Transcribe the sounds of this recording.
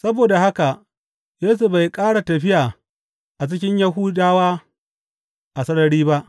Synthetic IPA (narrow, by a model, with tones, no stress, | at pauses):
sɐ˦boː˨da˨ha˦ka˨ | jeː˦s̬u˨ba˨jkʼaː˦ɽa˨tɐ˨ɸɪ˦jaː˨ | ʔa˨t͡ʃɪ˦k̬ʲɪ˦ɲja˦ɦuː˦daː˦waː˦ | ʔa˨sɐ˦ɽɐ˨ɽiː˦ba˦ʔ